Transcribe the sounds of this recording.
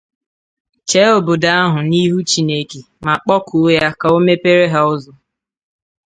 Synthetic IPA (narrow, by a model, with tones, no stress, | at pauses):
t͡ʃe˨˦o˨bo˨da˦a˦ɦʊ˨ni˦ɦu˦t͡ʃi˨ne˦ke˨ | ma˨k͡pɔ˦kʰʊ˨˦ja˦ka˨o˦me˦pe˦ɾe˦ɦa˦ʊ˦zɔ˨